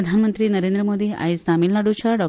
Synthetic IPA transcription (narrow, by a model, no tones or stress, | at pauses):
ɐd̪ʱanmənt̪ɾinɐɾeːnd̪ɾəmod̪ia̰jisamilnaɖut͡ʃʰaɖɔ